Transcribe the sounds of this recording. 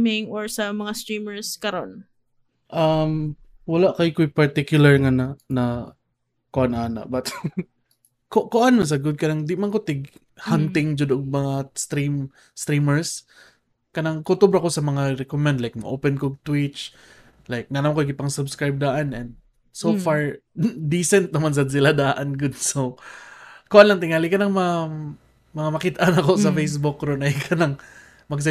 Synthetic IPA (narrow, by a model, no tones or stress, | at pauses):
mɪŋoɹsɐmɐŋast̪ɾiːmɛɹskɐɾon | ʔam | wɐlaʔkajkʊjpɐɹt̪ɪkjʊlaɹŋanana | koʔanʔaːna̰ʔbɐt̪ | kokoʔanmas̬aɡʊd̪̚kɐnaŋd̪ɪmankot̪ɪɡ | hant̪ɪŋd͡ʒʊd̪ʊʔʊɡmɐŋast̪ɾim | st̪ɾimɛɹs | kɐnaŋkot̪obɾɐko̞sɐmɐŋaɾɛkomɛnd̪lajk̚mɐʔoːpɛnkoɡ̚t̪wɪt͡ʃ | lajk̚nanamŋkojɡɪpɐŋsʊbskɹajb̚d̪aːʔɐnɛnd̪̚ | sofaɹd̪isɛnt̪̚nɐmans̬ɐd̪s̬ɪlad̪aːʔɐnɡʊd̪̚so | kʊʔanlɐŋt̪ɪŋaːlɪkɐnɐŋmɐ | mɐŋamɐkɪt̪ʔanɐkosɐfejs̬bʊkɾonɐjkʰɐnaŋ | mɐɡs̬